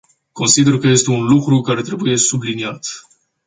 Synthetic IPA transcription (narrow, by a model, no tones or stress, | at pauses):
ko̞nsid̪e̞rkəje̞st̪e̞unlukɾukaɾe̞t̪ɾe̞buje̞subliniat̪